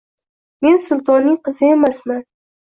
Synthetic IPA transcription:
me̞nsʊlˠt̪ʰɒnːɪŋqʰɨzɪemasman

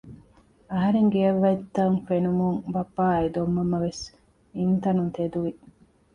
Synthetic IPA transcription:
ɐɦɐɾeŋɡeɐʋːɐit̪ːɐŋfenumuŋbɐpːaːed̪omːɐmɐʋes | int̪ɐnunt̪ed̪uʋi

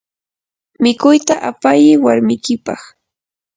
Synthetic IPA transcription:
mɪkʊjt̪aʔapajɪwaɾmɪjkɪpɑχ

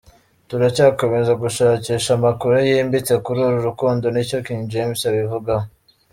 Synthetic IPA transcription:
tuɾacaːkomezaɡuʃaːciʃamakuɾujiːmbit͡se̞kuɾuːɾuɾukuːndo̞nico̞kiɲd͡ʒemsaβivuɡa

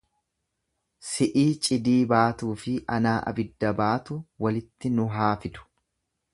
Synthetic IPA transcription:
sɪʔiːt͡ʃʼɪd̪iːbaːt̪uːfɪʔɐnaːʔɐ̰bɪd̪ːɐbaːt̪ʊwɐlɪt̪ːɪnʊɦaːfɪd̪ʊ̥

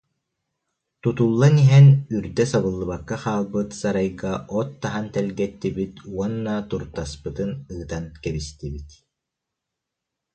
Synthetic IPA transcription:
t̪ut̪ulˠːaniɦɛnyɾd̪ɛsaβɯlˠːɯβakːaχaːlˠbɯt̪saɾajɡaʔɔt̪ːaɦant̪ɛlɡɛt̪ːibit̪uɔnːaːt̪uɾt̪aspɯt̪ɯnɯːt̪ankɛbist̪ibit̪

